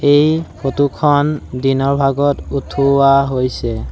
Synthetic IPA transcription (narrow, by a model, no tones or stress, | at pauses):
ejpʰotukʰɔndinɔɹbʱaɡɔtutʰuaɦojsɛ